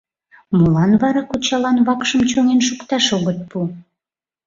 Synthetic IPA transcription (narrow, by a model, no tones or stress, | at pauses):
molɑnβɑɾɑkut͡ɕɑlɑnβɑkʃəmt͡ɕoŋenʃukt̪ɑʃoɣət̪̚pu